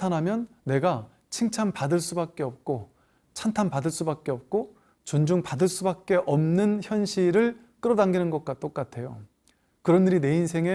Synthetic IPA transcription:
tʰanɦamjʌnːe̞ɡa | t͡ɕʰiŋt͡ɕʰampadɯɭs͈ubak̚k͈e̞ʌp̚k͈o | t͡ɕʰantʰanpadɯɭs͈ubak̚k͈e̞ʌp̚k͈o | t͡ɕond͡ʑuŋpadɯɭs͈ubak̚k͈e̞ʔʌmnɯnçjʌnɕʰiɾɯɭ | k͈ɯɾʌdaŋɡinɯnɡʌk̚k͈at͈ok͈atʰe̞jo̰ | kɯɾʌnːiɾine̞insʰe̞ŋe̞

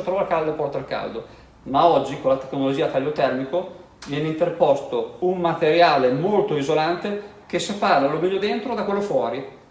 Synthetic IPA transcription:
ot̪ɾɔvalkald̪opɔrt̪alka̰ld̪o | maɔd͡ʒːikolːat̪e̥knolod͡ʒiːat̪aʎːot̪ɛrmiko | vjɛːneint̪erpɔst̪oummat̪eɾjaːlemolt̪oizolant̪e | k̟esepaɾalomenːod̪ent̪ɾod̪akwelːofwɔːɾi

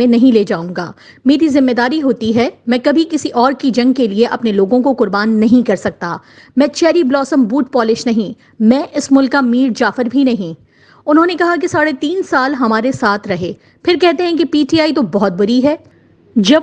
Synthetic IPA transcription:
ẽnɐɦĩleːd͡ʒaːũŋɡa̰ː | meːɾizɪmːed̪aːɾiɦoːt̪iɦɛːmɛ̃ːkɐbʱikɪsiʔɔːɾkid͡ʒɐ̃ŋɡ̚kelieʔɐpneloːɡõkoqʊɾbaːnːɐɦĩkɐɾsɐk̚t̪a | mɛ̃ːt͡ʃɛːɾiblɔːsəmbuːʈ̚pɔːlɪʃnɐɦĩ | mɛ̃ːʔɪsmʊlkːamiːɾd͡ʒaːfəɾbʱinɐɦĩː | ʊnɦõːnekɐɦak̬esaːɽet̪iːnsaːlɦɐmaːɾesaːt̪ʰɾɐɦeː | pʰɪɾkɛɦt̪eɦɛ̃kepiːʈiaːit̪obɔɦɔt̪̚bʊɾiɦɛː | d͡ʒɐ

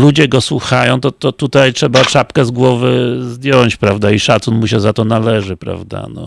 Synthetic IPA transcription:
lud͡ʑɛɡɔswuxajɔ̃w̃t̪ɔt̪ɔt̪ut̪ajtʂɛbat͡ʂapkɛzɡwɔvɘzd̪ʲjɔɲt͡ɕpɾavd̪aiʂat̪sunmuɕɛzat̪ɔnalɛʐɘpɾa̰vd̪a̰nɔ̰

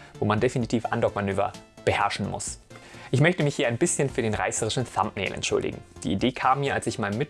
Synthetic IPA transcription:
vo̰ːmandefinitʰiːfʔandɔkmanøːvɐ̰b̥əhɛɐʃn̩mʊ̰sʔɪçmœçtəmɪçhiːɐaɪnbɪsçənfyːɐdeːnʁa̰ɪsəʁɪʃn̩θa̰mpnɛ̰ːlʔɛ̰ntʃʊ̰ldɪ̰ɡŋ̩d̥ḭːʔideːkʰaːmːiːɐalsɪçmaɪnəmɪt

